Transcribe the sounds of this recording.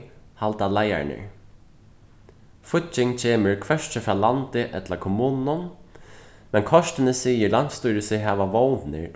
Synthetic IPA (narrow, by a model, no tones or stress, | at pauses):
halt̪alaja̰ɹnɪ̰ɹ | fʊt͡ʃːɪŋt͡ɕʰeːmɪɹkʰvɛʂt͡ʃɪfɾaːlant̪ɪʔɛ̰t̪lakʰɔmuːnnʊn | mɛnkʰɔʂt̪ɪnɪsiːjɪlan̥t̪st̪ujɾɪsɪɦɛːʋaʋownnɪ̰